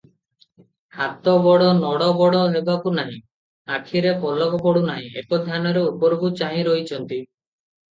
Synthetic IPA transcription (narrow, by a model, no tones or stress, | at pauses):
hat̪ɔbɔɽɔnɔɽɔbɔɽɔɦebakunaɦĩ | akʰiɾepɔlɔkɔpɔɽunaɦḭ̃ekɔd̪ʱjanɔɾeupɔɾbut͡ʃaɦĩɾojt͡ʃʰɔnt̪i